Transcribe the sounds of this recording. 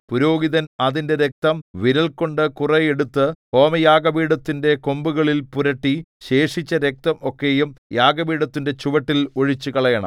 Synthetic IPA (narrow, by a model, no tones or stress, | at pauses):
puɾo̞ːɡiðɐnɐðinde̞ɾek̚t̪ɐmʋiɾɐlko̞ɳɖɨkurɐjeɽut̪ːɨho̞ːmɐjaːɡɐʋiːɽɐt̪ːinde̞ko̞mbuɣɐɭilpuɾɐʈːiɕe̞ːʂit͡ɕːɐɾek̚t̪ɐmo̞kːe̞jumjaːɡɐbiːɽɐt̪ːinde̞t͡ɕuʋɐʈːiloɻit͡ɕːukɐɭɐjɐɳɐ̰